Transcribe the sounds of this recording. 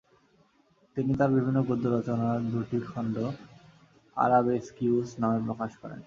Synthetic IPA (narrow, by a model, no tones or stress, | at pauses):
t̪init̪aɾbibʱinːoɡod̪ːoɾɔt͡ɕonaɾd̪uʈikʰɔɳɖo | a̰ɾabeskusnamep̬ɾokaʃkɔɾḛn